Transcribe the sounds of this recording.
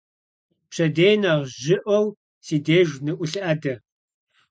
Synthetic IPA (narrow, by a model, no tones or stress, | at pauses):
pɕɐdeːjnɐʁʑɪʔʷɔw | siːdeːʒnɨʔʷʊɬɐdɐ